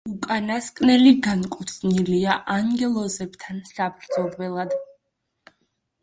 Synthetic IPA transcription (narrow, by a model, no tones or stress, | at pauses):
ukʼanaskʼnɛliɡankʼut̪sʰniliaʔaŋɡɛlˠɔzɛbt̪ʰansabɾd̪zɔlˠvɛlˠad̪